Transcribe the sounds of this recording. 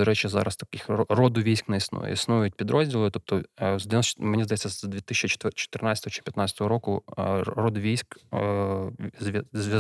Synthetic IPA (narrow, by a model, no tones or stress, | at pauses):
ɔɾɛt͡ʃɪzɑ̰ɾɐst̪ɐ̥kɪxrɔd̪ʊʋʲijsʲknɛisnṵjɛ̰ḭsnujʊt̚ʲpʲid̪ɾɔzʲdʲilˠʊt̪ɔp̚t̪ɔzd̪ʲmenʲizd̪ɐjɛt͡sʲːɐzd̪ʲʋʲit̪isʲt͡ʃit͡ʃt̪t͡ʃɔ̥t̪ɪrnɑt͡sʲɐt̪ɔɦɔt͡ʃɪ̥pʲjɐt̪nɑt͡sʲt̪ɔɦɔɾɔkʊrɔd̪ʊʋʲijsʲk | zʲʋʲzʲʋʲɐ